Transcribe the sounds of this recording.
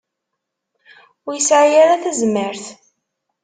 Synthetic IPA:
ʊɾjəsʕajaɾaθæzməɾθ

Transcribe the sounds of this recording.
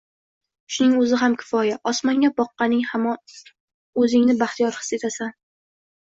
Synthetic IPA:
ʃʊnɪŋɵzɪɦamkʲʰɪ̥fɒjaʔɒsmaŋʲabɒqːɑnɪŋhamɒn | ɵzɪŋnɪbaχt̪ʰijɒɾχɨ̥set̪ʰasan

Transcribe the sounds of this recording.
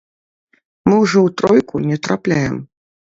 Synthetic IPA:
mɨwʐɔwt̪ɾɔjkunʲɛt̪ɾaplʲajɛ̰m

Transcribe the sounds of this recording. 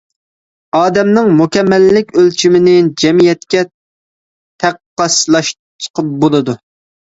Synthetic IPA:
ɑːd̪ɛmnɪŋmukʲɛmːɛlːɪkʲølt͡ʃʰimɪnɪd͡ʒɛmijɛt̪kʲɛ | t̪ʰæqː | ɑslˠɑʃ | t͡ʃʰə̥qʰəp̚bolˠɨd̪u

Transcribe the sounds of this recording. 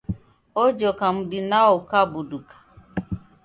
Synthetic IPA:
od͡ʒɔkam̩dɪnaʊkabʊdukḁ

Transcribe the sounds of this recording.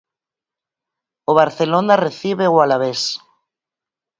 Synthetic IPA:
oβaɾθelonareθiβewalaβes

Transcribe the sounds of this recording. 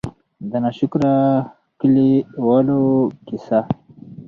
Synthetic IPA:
d̪ənaɕukɾa | kiliwalokisa

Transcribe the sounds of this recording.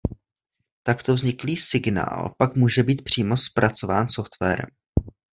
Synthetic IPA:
t̪akt̪ovzɲɪkliːsɪɡna̰ːlpakmuːʒɛbiːt̪̚pr̝̥iːmo̞spɾat͡so̞vaːnso̞ft̪vɛ̰ːɾɛ̰m

